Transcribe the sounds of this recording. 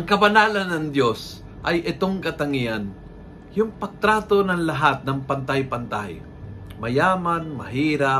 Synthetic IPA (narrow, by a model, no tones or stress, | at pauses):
ʔʔɐŋkɐbɐnaːlɐnːɐŋd̪jo̞s | ʔɐjʔɪt̪oŋkɐt̪ɐŋɪjan | jʊŋpɐɡ̚t̪ɾaːt̪onɐŋlɐɦat̪̚nɐŋpɐnt̪ajpɐnt̪aj | mɐjaːmanmɐɦiːɾa